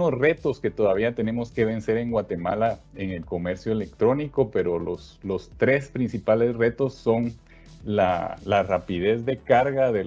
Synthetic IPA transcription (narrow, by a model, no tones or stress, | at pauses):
osre̞t̪o̞ske̞t̪o̞ðaβ̞iat̪e̞ne̞mo̞ske̞β̞e̞nse̞ɾe̞ŋɡwat̪e̞mala | eŋe̞lko̞me̞ɾsjo̞ele̞k̚t̪ɾo̞niko̞pe̞ɾo̞los | lo̞st̪ɾe̞spɾinsipale̞sre̞t̪o̞sːo̞ŋ | lalarapið̞e̞zðe̞kaɾɣaðe